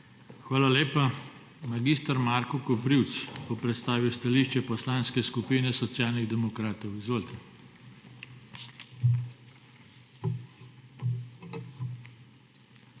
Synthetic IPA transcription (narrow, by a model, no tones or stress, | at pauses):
xʋaːlaleːpa | maɡist̪aɾmaːɾkɔkɔpɾiwt̪sbɔpɾɛt̪st̪aːʋiwst̪aliʃt͡ʃɛpɔslanskɛskupiːnɛsɔt̪sjaːlniɣd̪ɛmɔkɾaːt̪ɔwizʋoːlt̪ɛ